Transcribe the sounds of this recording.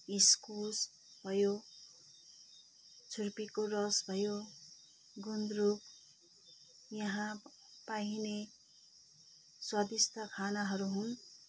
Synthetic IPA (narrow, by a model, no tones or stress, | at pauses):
iskus | bʱʌjo | t͡sʰurpikorʌsbʱʌjo | ɡund̪ɾuk | jʌɦã | paine | swʌd̪ist̪ʰʌkʰanaɦʌɾuɦun